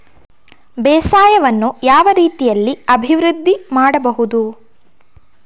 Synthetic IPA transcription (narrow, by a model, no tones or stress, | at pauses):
bɛːsaːjɐʋɐnːujaːʋɐɾiːt̪ijɐlːiɐbʱiʋɾɨd̪ʱːimaːɽɐbɐɦud̪u